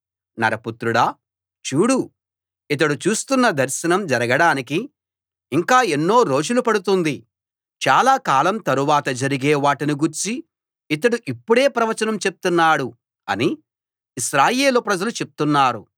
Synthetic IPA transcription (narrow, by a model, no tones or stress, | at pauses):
nɐ̰ɾɐput̪ɾuɽaː | t͡ʃuːɽu | it̪̬ɐɽut͡ʃuːst̪unːɐd̪ʱɐɾʃɐnɐmd͡ʒɐɾɐɡɐɽaːnikiː | ŋkaːe̞nːo̞ːɾo̞ːd͡ʒulupɐɽut̪und̪i | t͡ʃaːlaːkaːlɐmt̪ɐɾuʋaːt̪ɐd͡ʒɐɾiɡeːʋaːʈiniɡuɾt͡ʃi | it̪̬ɐɽuʔipːuɽe̞ːpɾɐʋɐt͡ʃɐnɐmt͡ʃe̞p̚t̪unːaːɽu | ɐni | iʃɾaːjeːlupɾɐd͡ʒɐlut͡ʃe̞p̚t̪unːaːɾu